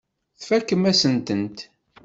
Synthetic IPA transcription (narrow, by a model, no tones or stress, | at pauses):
θfækːəmæsənt̪ənt̪